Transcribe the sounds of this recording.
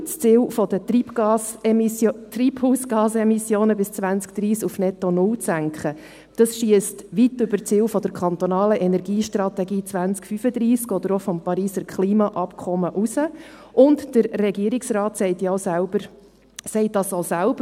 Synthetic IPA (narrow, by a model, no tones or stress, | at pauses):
t͡st͡sɪːwfɔd̥̪əipɑs | triːphuːsɡ̥ɑːsɛmisjoːnəbɪst͡sʋænt͡sk̚d̥ɾiːskufnɛtɔnʊlt͡sæŋkχə | d̥ɑsʃiəstʋitʏbəɾt͡sɪːwfɔd̪əɾkʰχɑnt̪ɔnɑːləʔɛnɛɾɡiːʃtrɑt̪ɛɡiːt͡sʋænt͡skfyfəd̪ɾiːskɔd̪əɾɔfɔmpɑɾiːsəɾkχliːmɑʔɑpkʰɔməʔusə | ʔʊntd̥əɾːɛɡiəɾiksrɑːtsɛɪtjoʊsælbəɾ | sɛɪt̚dɑsosælb̥ə